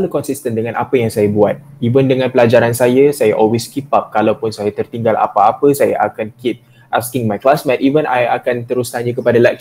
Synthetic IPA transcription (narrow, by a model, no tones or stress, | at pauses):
alukɔnsist̪əndəŋãnʔa̰pəjaŋsajabuat̪̚ | ivəndəŋãnpəlad͡ʒaɾansajasajaʔɔlweskipap̚kalawpʊnsajat̪ərt̪iŋɡala̰paːpəsaja̰ʔakankit̚ | ʔaskɪŋmajklasmɛ̃t̪ivənʔajakant̪əɾʊst̪aɲəkəpadalɛk̚t͡ʃ